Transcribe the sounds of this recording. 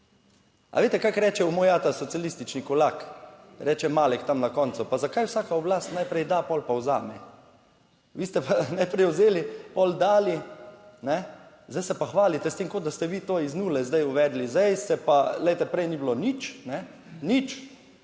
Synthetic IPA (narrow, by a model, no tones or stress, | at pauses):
a̰ʋeːt̪ɛkakɾɛːt͡ʃɛumojat̪asɔt̪sijalist̪it͡ʃnikɔlak | ɾɛːt͡ʃɛmaːlɛkt̪amnakɔnt̪supazakajwsaːkaɔblaːst̪najpɾɛjd̪apɔlpawzaːmɛ | ʋiːst̪ɛpʰanajpɾɛjʊzeːlipɔld̪aːlinɛ | zd̪ajsɛpaxʋaːlit̪ɛst̪eːmkot̪d̪ast̪ɛʋit̪oːiznuːlɛzd̪ajuʋɛːd̪lizd̪ɛjsɛpalɛjt̪ɛpɾɛjniblonit͡ʃnɛ | nit͡ʃ